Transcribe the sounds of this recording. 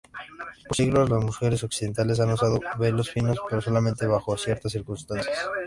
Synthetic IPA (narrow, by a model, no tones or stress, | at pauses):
posiɣlo̞zlazmuxe̞ɾe̞s̬o̞ksiðe̞nt̪ale̞s̬anos̬aðoβe̞losfino̞spe̞ɾoso̞lamẽnt̪e̞βaxo̞sje̞ɾt̪as̬ːiɾkunst̪ansjas